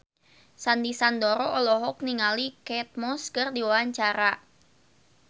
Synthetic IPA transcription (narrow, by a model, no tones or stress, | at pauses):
sandisandɔɾɔʔɔlɔɦɔk̚niŋalikɛt̪̚mɔskərdiwawaɲt͡ʃaɾa